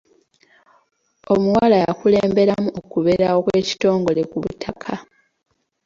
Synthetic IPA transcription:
o̞muwalajakule̞ːmbe̞ɾamuokuβe̞ɾaokwe̞ːci̥to̞ːŋɡo̞le̞kuβṵtʰakʰa

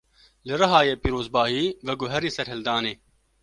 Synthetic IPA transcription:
lɪɾɐɦaːjeːpiːɾoːzbaːɦiːʋɐɡoɦɐɾiːsɐɾɦɐld̪aːneː

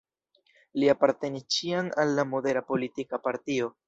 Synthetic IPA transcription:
liapaɾte̞nist͡ʃiaŋalːamo̞de̞ɾapo̞litikapaɾtio̞

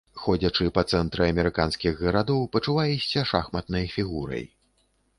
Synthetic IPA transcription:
xɔd͡zʲɐt͡ʂɨpɐt̪sɛnt̪ɾɨɐmʲɛɾɨkanskʲiɣɣɐɾad̪ɔwpɐt͡ʂuvajisʲːɐʂaxmɐt̪nɐjfʲiɣuɾɐ̰j

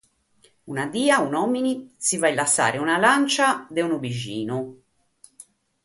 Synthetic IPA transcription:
unad̪iːaunɔminisivailasːa̰ːɾeunalant͡ʃad̪eunubiʒḭːnu

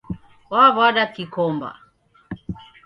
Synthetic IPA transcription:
waβaɗakikɔmba̰

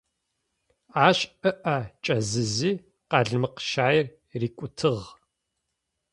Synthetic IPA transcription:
aːɕɨʔɐt͡ʃʼɐzɨziː | qɑɮmɨqʃaːjɪr | riːkʷʼʊtʰɨʁ

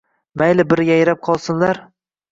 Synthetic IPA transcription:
majlɪbɪɾɪɡʲajɪɾap̚qʰɒlˠsɪnlaɾ

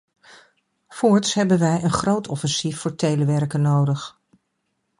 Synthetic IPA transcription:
fʊːɹtsɦɛbənʋɛjənχrowtʰɔfɛnsifːʊːɹtejləʋɛrkənːowdəχ

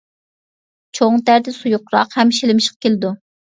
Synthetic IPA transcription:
t͡ʃʰoŋt̪æɾd̪ɪsujuqɾɑ̰qhɛmʃelɪmɪʃqɑ̥kʲʰelɪd̪u

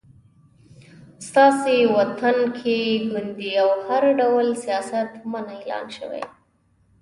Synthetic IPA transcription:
st̪ɑsewat̪ankʰeɡund̪iawhaɾɖawlsijɑsat̪manaelɑ̰nʃə̰wḛj

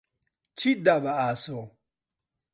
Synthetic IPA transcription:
t͡ʃidabaasɔ

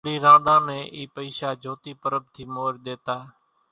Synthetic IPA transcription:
ɾiːɾãːd̪ãːmẽːʔiːpəiːʃaːd͡ʒʱoːt̪iːpəɾəb̚t̪ʰiːmoːɾɗ̪eːt̪aː

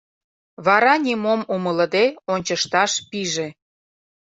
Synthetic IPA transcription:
βɑɾɑnʲimomumələd̪eonʲt͡ɕəʃt̪ɑʃpiʒe

